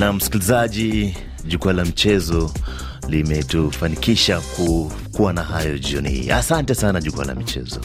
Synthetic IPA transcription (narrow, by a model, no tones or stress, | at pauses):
nam̩si̥kilizaʄi | ʄukualamit͡ʃɛzɔ | limɛtufanikiʃaku | kuwanaɦajɔʄiɔnihḭːa̰santɛsanaʄukua̰la̰mit͡ʃɛ̰zɔ̰